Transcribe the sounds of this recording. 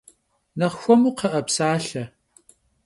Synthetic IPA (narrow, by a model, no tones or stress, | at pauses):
nɐχxʷɔmuːqɐʔɐpsaːɬɐ